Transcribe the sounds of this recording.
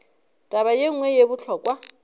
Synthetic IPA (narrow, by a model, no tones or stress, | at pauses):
tʼaβajeŋ̩ŋwɛjebʊt͡ɬʰɔːkʼwa